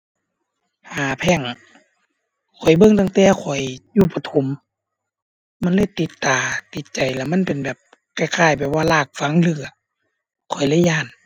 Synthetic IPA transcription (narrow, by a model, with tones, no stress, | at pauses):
haː˨˦pʰɛː˧˩ŋ | kʰɔ˨˩jbɤ˧˨ŋt̪a˧ŋt̪ɛː˧˩kʰɔ˨˩jjuː˧˩pa˧t̪ʰo˨˦m | a˧˥˨nlɤː˧˥˨jt̪i˨˧˦t̪ːaː˨˩t̪i˨˦t̪̚t͡ɕa˨˩jlɛ˧˩ma˧˥˨npe˨nbɛː˨˩p̚ | ka˧˩jkʰaː˧˩jpaɛː˨˩waː˧˨laː˧˩k̚fa˧˦ŋlɯ˧˩ɐ | kʰɔ˨˩jla˧˥˨jaː˧˩˨n